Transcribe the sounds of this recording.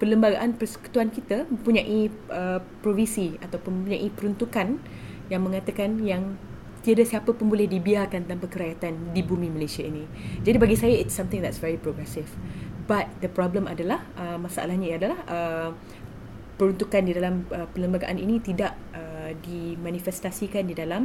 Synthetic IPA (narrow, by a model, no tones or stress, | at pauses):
pələmbaɡa̰ʔanpərsə̥ku̥t̪uankit̪əmə̃mpuɲaʔiə | pɾovinsiat̪awpʊnmə̃mp̬uɲaʔipəɾunt̪ukan | jaŋmə̃ŋat̪əkanjaŋ | t̪iadasiapəpʊnbolɛhdibiarkant̪aŋpakəɾajat̪andibumĩməlesiainĩ | d͡ʒadibaɡisajaɪtsãmt̪ɪ̃ŋd̪ɛtsvɛɹipɾoɡɾɛsɪfbat̪̚d̪əpɾɔbləma̰dalahʔəmãsaʔa̰lahɲaiadalahə | pəɾunt̪ukandidalaməpələmbaɡa̰ʔanḭnĩt̪idaʔ | ʔədimãnifɛst̪asikandidalam